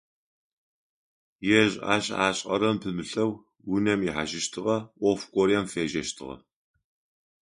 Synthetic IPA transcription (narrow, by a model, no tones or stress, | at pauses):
jɛʑa̰ːɕa̰ːɕʼɐɾɐmpʰɨmɨɬɐw | wʊnɐmjiħaʃɪʃtʰɨʁɐʔʷɔfkʷʼɔɾiɛmfeːʒɐʃtʰɨʁɐ̰